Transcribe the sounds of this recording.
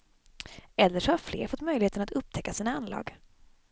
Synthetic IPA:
ɛlːəʂɔhaɾflḛːɾfɔt̪ːmœjlɪheːt̪ənat̪ɵp̚ːt̪ʰɛkːasiːnaanlɑ̰ːɡ

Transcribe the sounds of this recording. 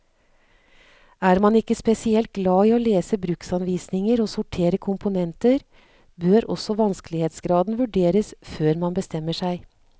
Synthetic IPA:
æːɾmɑnɪkːəspɛsɪɛlt̪̚ɡlɑːiːoːleːsəbɾʉksɑnʋiːsnɪŋəɾoːsʊʈʰeːɾəkʰʊmpʊnɛnt̪əɾ | bøːɾɔ̰sɔʋɑnskəlɪheːt̪sɡɾɑːd̪n̩ʋʉɖeːɾəsføːɾmɑnbəst̪ɛmːəʂæɪ

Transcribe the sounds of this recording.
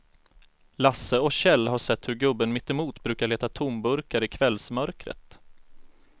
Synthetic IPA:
lasːəɔkɕɛlːɦaʂɛt̪ːhɵɾɡɵbːənmɪt̪ːɪmuːt̪bɾʉ̟ːkaɭeːt̪at̪ʰʊmbɵɾkaɾəɪkʰvɛlsmœɾkɾə̰t̪

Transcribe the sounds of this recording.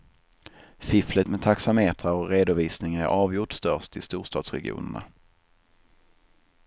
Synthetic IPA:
fɪflət̪mɛd̪t̪ʰaksameːt̪ʰʁaɔɾeːd̪ʊviːsnɪŋæ̰ɾʔɑːvjʊʈst̪œʂt̪ɪst̪uːʂt̪ɑ̰ːd̪sɾɛ̰ɡɪ̰ṵːnə̰ɳa̰

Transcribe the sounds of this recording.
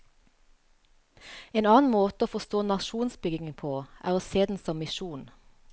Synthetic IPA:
eːnɑːn̩moːt̪əoːfɔst̪oːnɑʃuːnsbʏɡɪŋənpʰoːʔæ̰ːʁoːseːd̪n̩sɔmmɪʃuːn

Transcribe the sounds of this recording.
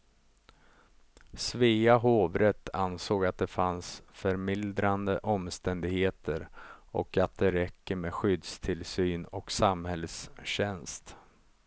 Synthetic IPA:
sviːaɦoːvɾɛt̪ʰːa̰nsoːɡat̪̚d̪ɛfansfœɾmɪld̪ɾand̪əʔɔmst̪ɛnd̪ɪɡheːt̪ʰəɾʔɔ̰kat̪̚d̪ɛɾɛkːəmeːɧʏd̪st̪ʰɪlsyːnɔksamhɛlsɕɛnst̪

